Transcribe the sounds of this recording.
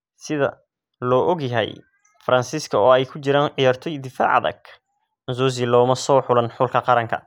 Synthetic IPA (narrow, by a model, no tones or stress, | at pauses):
sɪðɐ̰ | lɔːʔɔɡjɐɦɛ̰j | fɐɾʔɐnsiskʰɐɔːɛjkʰʊt͡ʃɪɾaːnʕɪjaːrt̪ʰɔjd̪ɪfa̰ːʕɑ̰ðɐ̰ɡ | zɔːz̬ɪlɔːmɐsɔːħʊlɐnħʊlkʰɐqɑɾɐŋkʰɐ̰